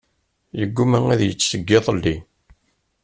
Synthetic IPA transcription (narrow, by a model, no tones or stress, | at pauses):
jəɡːumæŋæðjət͡sːsəɡːɪðˤlːi